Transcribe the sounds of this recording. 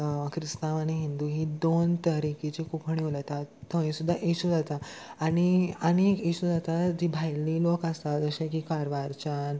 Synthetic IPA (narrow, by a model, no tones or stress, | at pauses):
kʰɾist̪aʋañiɦind̪uɦid̪ont̪əɾikit͡ɕikupʰɳilat̪at̪ʰːəĩsud̪ʱːaʔiɕud͡zat̪aaɽ̃iañikiɕud͡zat̪ad͡ʑibʱajliːlokəst̪ad͡zəɕãkikaɾʋaɾt͡ɕan